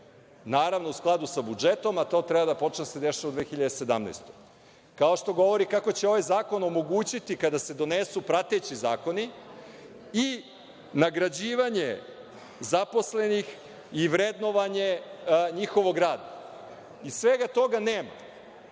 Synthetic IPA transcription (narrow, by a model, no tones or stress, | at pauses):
naːɾaʋno̞usklˠad̪usabud͡ʒet̪o̞mat̪o̞t̪ɾɛbad̪apo̞t͡ʃnesed̪eʃiʋaud̪ʋeːxiʎad̪ese̞d̪amna̰jst̪oj | kao̞ʃt̪o̞ɡo̞ʋo̞ɾikako̞t͡ɕeo̞ʋajzaːko̞no̞mo̞ɡuːt͡ɕit̪ikad̪ase̞d̪o̞nesupɾat̪et͡ɕiza̰ːko̞ni | i | naɡɾad͡ʑiːʋaɲe | zapo̞sle̞nix | iʋɾed̪no̞ʋaɲe̞ɲixo̞ʋo̞ɡɾaːd̪a | isʋeɡat̪o̞ɡaneːma̰